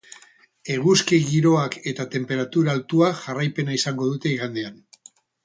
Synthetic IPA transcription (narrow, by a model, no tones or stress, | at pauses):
e̞ɣ̞uskiɣiɾo̞ake̞t̪at̪e̞mpe̞ɾat̪uɾaːlt̪uaʝarajpe̞naisaŋɡo̞ð̞ut̪e̞iɣand̪ean